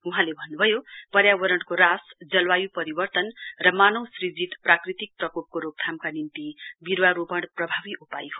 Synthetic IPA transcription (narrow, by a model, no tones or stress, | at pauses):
uɦãlebʱʌnːubʱʌjopʌrjabʌɾʌɽkoɾasd͡zʌlwajupʌɾibʌrt̪ʌnrʌmanʌwsrid͡zit̪prakrit̪ik̚prʌkop̚koɾoɡ̚t̪ʰamkanint̪ibiɾwaɾopʌɽprʌbʱabiʔupa̰jɦo